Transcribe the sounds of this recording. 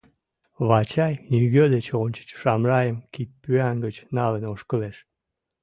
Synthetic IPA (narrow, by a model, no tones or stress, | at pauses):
βɑt͡ɕɑjnyɣød̪et͡ɕonʲt͡ɕə̥t͡ɕʃɑmrɑjəmkit̪̚pyæŋɡət͡ɕnɑlənoʃkəleʃ